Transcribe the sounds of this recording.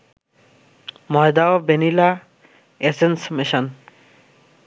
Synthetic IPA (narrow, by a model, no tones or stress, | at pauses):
mɔed̪aobenila | esensmiʃon